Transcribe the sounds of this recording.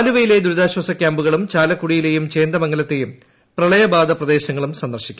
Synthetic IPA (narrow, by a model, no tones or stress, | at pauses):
aːluʋɐjile̞d̪uɾuðaːɕwɐsɐkʲːaːmbuɣɐɭumt͡ɕaːlɐkːuɽijile̞jumt͡ɕe̞ːnd̪ɐmɐŋːɡɐlɐt̪ːe̞jum | prɐɭɐjɐbaːd̪ɐprɐd̪e̞ːɕɐŋːɐɭumsɐnd̪ɐrɕi̥kʲːum